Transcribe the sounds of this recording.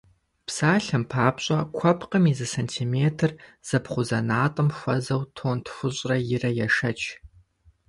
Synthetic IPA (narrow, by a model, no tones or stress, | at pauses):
psaːɬɐmpʰaːpɕʼɐkʷʰɐpʰqəmiːzɨsɐntʰimeːtʰɨrz̥ɐpχʷʊzɐnaːtʼɨmxʷɐzɐwtʰoːntʰxʷʊɕʼrɐjɪrɐjɛʂɐt͡ʃʰ